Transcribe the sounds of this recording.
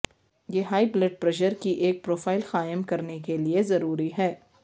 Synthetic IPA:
jeːɦaːibleɖ̚pɾɛʃəɾkiʔeːk̚pɾoːfaːɪlxaːɪəmkɐɾnekeliezɐɾuːɾiɦɛː

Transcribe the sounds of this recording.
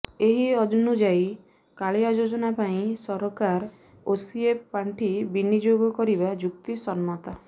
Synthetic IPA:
eɦiɔd͡ʒɔnud͡ʒaj | kaɭeɔd͡ʒod͡ʒɔnapaĩsɔɾɔkaɾ | osieppːaɳʈʰibinid͡ʒoɡɔkɔɾibad͡ʒukt̪isɔnmɔt̪a

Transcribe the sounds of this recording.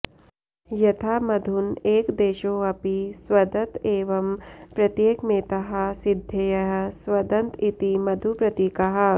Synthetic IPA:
jɐt̪ʰaːmɐd̪ʱuneːkd̪eːʃoːɐpiswɐd̪ɐt̪eːʋɐmpɾɐt̪jeːkmeːt̪ɐɦɐ̆sid̪ʱjɐjɐɦɐ̆swɐd̪ɐnt̪it̪imɐd̪ʱupɾɐt̪iːkɐɦɐ̆

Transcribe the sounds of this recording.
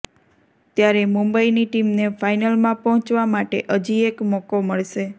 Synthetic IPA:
t̪jaɾemũmbəiniʈimnefajnəlmãpɔɦɔ̃t͡ʃʋamaʈḛʔəd͡ʒiekmɔkoməɭʃe

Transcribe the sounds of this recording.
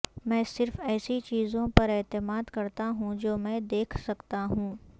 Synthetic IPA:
mɛ̃ːsɪɾfɛːsit͡ʃiːzõpɐɾɛːt̪ɪmaːd̪kɐɾt̪aɦũd͡ʒoːmɛ̃ːd̪eːkʰsɐkt̪aɦũː

